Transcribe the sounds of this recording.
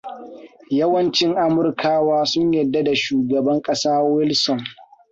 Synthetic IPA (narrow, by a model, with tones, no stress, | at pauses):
jɐ˦wɐ˦nt͡ʃɪ˦ŋʔa˦mʊ˨rkʰaː˦waː˦sʊ˦ɲjɐ˨dːa˦da˨ʃuː˨ɡɐ˨bɐ˦ŋkʼɐ˦saː˦wɪ˦lsɔ˨n